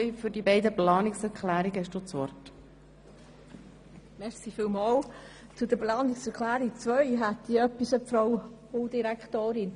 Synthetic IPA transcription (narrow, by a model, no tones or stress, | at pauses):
jfʏɾdibɛɪdəplɑːnɪksɛɾkχlæːɾiɡəɛʃd̥ut͡sʋɔɾt | mɛsifiːlmɑːl | t͡sud̥əplɑːnɪksɛɾkʰlæːɾik̚t͡svœʏɦæt̪ːiœpːisəfɾow | odiɾækχtoːɾɪn